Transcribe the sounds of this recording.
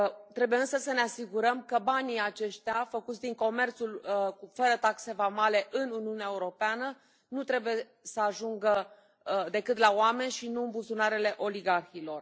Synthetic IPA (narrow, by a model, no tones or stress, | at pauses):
t̪ɾe̞bujeɨnsəsəneasiɡuɾəmkəbaniat͡ʃe̞ʃt̪eafəkut̪sʲd̪iŋko̞me̞rt̪sulfəɾət̪akse̞vamale̞ʔɨnuniuneaeuɾo̞peanə | nut̪ɾe̞buje̞ | səaʒuŋɡə | d̪e̞kɨt̪laowame̞nʲʃinuɨmbuzunaɾele̞ʔo̞liɡarxilo̞r